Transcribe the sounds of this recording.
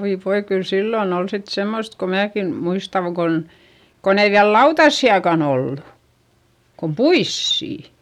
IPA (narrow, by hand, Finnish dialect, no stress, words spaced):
oi ʋoi kyl silːon ol sit semːost ko mæːki muistɑŋ ɡ̊on kon ei ʋiæl lɑutɑsːiɑkɑn olːu kum puisːiˑ